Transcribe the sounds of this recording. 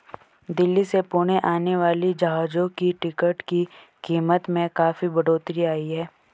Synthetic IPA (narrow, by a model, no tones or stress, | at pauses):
d̪ɪlːisepuːɽ̃eʔaːneʋaːlid͡ʒaːɦaːd͡ʒõkiʈɪkəʈki | kiːmət̪mẽkaːfibɐɽoːt̪ɾiaːiɦɛː